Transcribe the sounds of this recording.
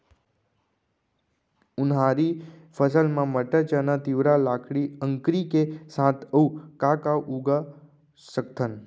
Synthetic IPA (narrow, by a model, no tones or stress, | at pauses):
ʊnɦaɾifʰəsəlmãməʈət͡ʃənat̪iʋɾalakʰɽiə̃ŋkɾikesãt̪ʰəukakaʔuɡa | sək̚t̪ʰən